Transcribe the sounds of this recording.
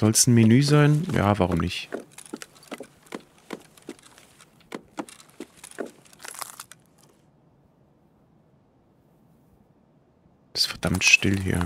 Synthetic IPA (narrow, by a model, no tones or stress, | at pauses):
z̥ɔlstn̩mɪnyːzaɪnja̰ːvaʁ̞ʊmnɪ̰ç | ɪ̥sfɛɐd̥amtʃtɪlɦḭːɐ